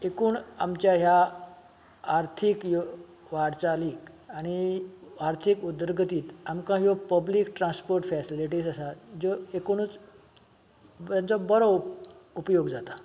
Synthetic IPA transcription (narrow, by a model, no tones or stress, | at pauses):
ekuːɳa̰mt͡ɕjaɦja | ɾt̪ʰikjo | ʋaɾt͡saliːk | añiaɾt̪ʰikud̪ɾɡʱət̪iːt̪amkãɦjopəbliːkʈɾãnspoɾʈfɛsiliʈiːsəsad͡ʑoekuñut͡s | ãnt͡sɔbəɾɔupjoɡd͡zat̪a